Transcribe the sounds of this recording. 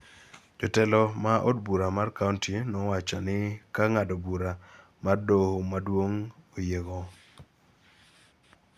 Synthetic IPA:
d͡ʒɔtɛlɔmaʔodbuɾamarkauntinɔwat͡ʃɔnɪkaŋadobuɾa | mardohomadwoŋojeɡo

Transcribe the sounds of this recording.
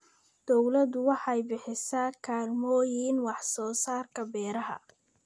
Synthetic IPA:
d̪̥ɔwlɐd̪ʊwɑħɑjbɪħɪsaːkʰaːlmɔːjiːnwɑħsɔːsaːrkʰɐbɛːɾɐɦɐ̰

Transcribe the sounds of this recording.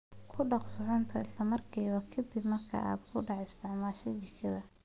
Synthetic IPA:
kʰʊɖɑqsʊʕʊnt̪ʰɐɪslɐmɐrkʰiːβɐkʰɐd̪ibmɐrkʰa̰ʔa̰ːd̪kʰʊɖɑʕɛɪst̪ʰɪʕmaːʃɐjɪt͡ʃʰɐðɐ

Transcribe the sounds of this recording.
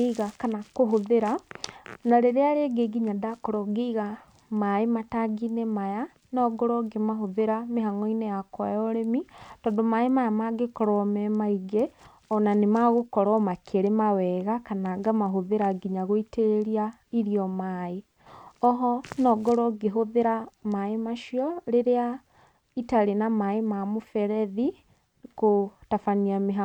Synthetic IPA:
eɣakanakoɦoðeɾa | naɾeɾeaɾeɡeɡiɲadakɔɾɔɡeiɣa | maemataɡinemaja | nɔɡɔɾɔɡemaɦoðeɾameɦaŋɔinejakwajɔɾemitɔːndomaemajamaɡekɔɾɔmɛmaiɡe | ɔnanemaɣokɔɾɔmakʰeɾemawɛɣakanaɡamaɦoðeɾaɡiɲaɣoiteɾeɾia | iɾiɔmae | ɔɦɔnɔɡɔɾɔɡeɦoðeɾamaemaʃiɔɾeɾea | itaɾenamaemamofɛɾɛði | kotafaniameɦa

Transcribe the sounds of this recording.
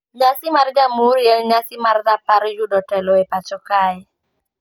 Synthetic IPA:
ɲasɪmard͡ʒamuɾjɛlɲasɪmard̪apaɾjudɔtɛlɔepat͡ʃɔkaɛ

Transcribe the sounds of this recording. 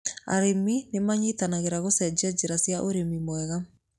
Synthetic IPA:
a̰ɾeminemaɲit̪anaɣeɾaɣosɛd͡ʒad͡ʒeɾasjaʔoɾemimwɛɣa

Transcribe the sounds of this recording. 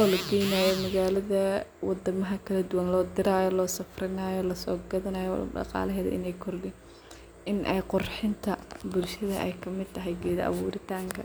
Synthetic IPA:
ɔːlɐɡɛjnaːjɔmɐɣaːlɐðɐwɑd̪ɐmɐɦɐkʰɐlɐd̪ʊwɐnlɔːd̪ɪɾaːjɔlɔːsɐfrɪnaːjɔlɐsɔ̰ːɡɐðɐnaːjɔ̰ɖɑ̰qɑ̰ːlɐɦɛːðɐ̰ʔɪ̰nɛjkʰʊrlɪn | ɪnʔɛ̰jqʊrħɪnt̪ʰɐbʊlʃɐðɐʔɛ̰jkʰɐmɪd̪̚t̪ʰɐɦɛjɡɛːðɐʔɐ̰βuːɾɪt̪ʰaːŋkʰɐ

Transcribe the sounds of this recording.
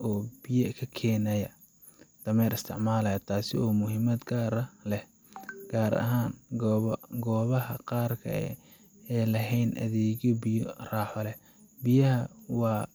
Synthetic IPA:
ʔɔːbɪjɐkʰɐkʰɛːnɐjɐ | d̪̥ɐmɛːɾɪst̪ʰɪʕmaːlɐjɐt̪ʰaːsɪɔːmʊɦɪmɐd̪ɡaːɾɐlɛh | ɡ̥aːɾɐ̰ɦaːnɡɡɔːβɐhɐqɑːrkʰɐ̰ | ɛːlɐɦɛjnʔɐ̰ðɛːɣjɔbɪjɔraːħɔlɛ | bɪjɐhɐwɑː

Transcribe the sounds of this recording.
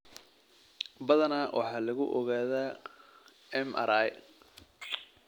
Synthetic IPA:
bɐðɐnawʔɑ̰ħɑːlɐɣʊʔɔɣaːðaː | ɛmɐ̰ɾaj

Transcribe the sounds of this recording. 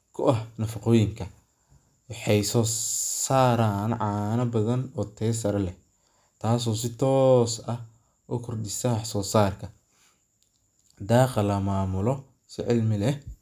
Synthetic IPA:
kʰʊʔɐhnɐfɑqɔːjɪŋkʰɐ | wɑħɑjsɔːsaːɾaːnʕɑːnɐbɐðɐnɔːt̪ʰɛːs̬ɐɾɐlɛh | t̪ʰaːs̬ɔːs̬ɪt̪ʰɔːsɐh | ʔʊkʰʊrdɪsaħsɔːsaːrkʰɐ | d̪aːqɐlɐmaːmʊlɔ | sɪʕɪlmɪlɛ

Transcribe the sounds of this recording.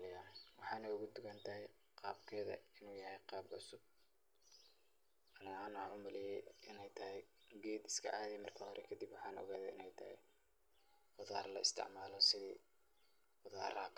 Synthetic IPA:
lɪjanwɑħɑːnɐjʊɣʊd̪ʊɣɐnt̪ʰɐɦɛj | qɑːbkʰɛːðɐ̰ɪnuːjɐhɛjqɑːbʕʊsʊb̚ | ɐnɐaːnʊʊmɐlɪjɛjʔɪnɛjt̪ʰɐɦɛjɡɛːd̪ɪ̥skʰɐ̰ʕɑːðɛjmɐrkʰɐhɔɾʔɛ̰kʰɐd̪ibwɑħɑːnɔ̰ɣaːðɛɪnɛjt̪ʰɐhɛ̰ | qʊða̰ːrlɐɪst̪ʰɪ̰ʕmaːlɔsɪðḭː | qʊða̰ːɾa̰ːk

